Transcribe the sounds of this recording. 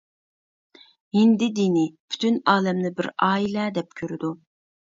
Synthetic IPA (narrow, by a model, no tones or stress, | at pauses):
ind̪ɪd̪inɪpʰy̥t̪ʰynɑːlɛmnɪbɪɾɑːilɛd̪ɛp̚kʲʰøɾɪd̪u